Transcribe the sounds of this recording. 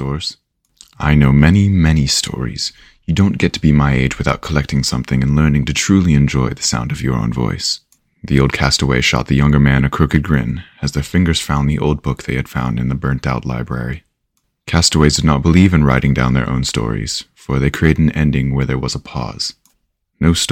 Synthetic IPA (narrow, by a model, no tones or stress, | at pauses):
tɔɹz̥ | ʔaɪnoʊmɛnimɛnistʰɔ̰ɹḭz̥ | jɨdõʊ̃nɡ̥ɛtʰəbimaɪeɪd͡ʒwɨθaʊt̚kʰəlɛk̚tʰɪ̃ŋsʌ̃mθɪ̃ŋɨ̃nlɜ̃˞nɪ̃ŋtɨtʰɹ̥ʉlˠiɨ̃nd͡ʒɔɪðɨsã̰ʊ̃ndʌvjə˞õ̰ʊ̃nvɔ̰ɪs | ðioʊlˠd̚kʰæstəweɪʃɑ̰t̪̚ðɨjʌ̃ŋɡə˞mæ̃nɨkʰɹ̥ʊkɨt̚ɡɹɪ̰̃nɨzðə˞fɪ̃ŋɡə˞z̥fãʊ̃nðiʔo̰ʊlˠd̚bʊk̚ðeɪɨd̥fãʊ̃ndɨ̃nðɨbɜ̃˞ntaʊtˡla̰ɪbɹɛ̰ɹi | kʰæstəweɪzdɨdⁿnət̚b̥əlivɨ̃nɹaɪɾɪ̃ŋdãʊ̃nðə̰˞ʔõ̰ʊ̃nstɔ̰ɹḭz̥fə˞ðeɪkʰɹ̥ieɪɾɨɾn̩ɛ̃ndɪ̃ŋwə˞ðə˞wʌzəpʰɔ̰z̥ | noʊs